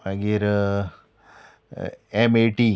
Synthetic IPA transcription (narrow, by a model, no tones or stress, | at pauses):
aɡiɾ | emeʈi